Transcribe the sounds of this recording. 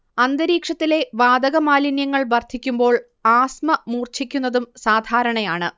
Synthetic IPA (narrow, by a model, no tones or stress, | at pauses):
ɐnd̪ɐɾiːkʂɐt̪ːile̞ʋaːd̪ɐɣɐmaːlinjɐŋːɐɭbɐrt̪ʰikʲːumbo̞ːɭ | aːsmɐmuːrt͡ɕʰikʲːunːɐðumsaːd̪ʱaːɾɐɳɐjaːɳɨ